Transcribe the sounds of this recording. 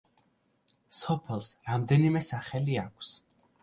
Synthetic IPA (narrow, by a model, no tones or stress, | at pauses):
sɔpʰɛlˠsɾamd̪ɛnimɛsaχɛliakʷʰs